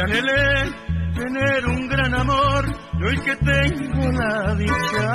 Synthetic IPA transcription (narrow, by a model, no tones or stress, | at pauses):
ɐnele | t̪eneɾuŋɡɾɐnɐmoɾjojket̪eŋɡolaðit͡ʃːa